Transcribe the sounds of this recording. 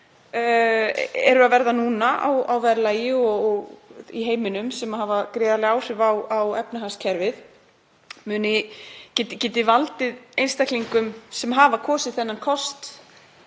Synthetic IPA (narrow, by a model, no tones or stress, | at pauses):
ɛ̰ɾʏaðvɛɾðanuːnaa̰wawvɛɾlajɪɔɔɣiɦeːjmɪnʏmsɛmahavakɾeːðalɪaːwr̥ɪvawawɛpnaɦanscʰɛɾvɪð | mʏːnɪcɪt̪ɪcɪːt̪̬ɪvalt̪ɪðejnst̪akliŋkʏmsɛmɦaːvakʰɔːsɪðθɛnːankʰɔst̪